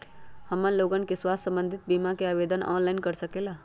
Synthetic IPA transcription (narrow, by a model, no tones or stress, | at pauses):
həmənloɡənkeswassə̃mbənd̪ʱit̪̚bimakeabed̪ənɔ̰ːnlaɪnkəɾsəkela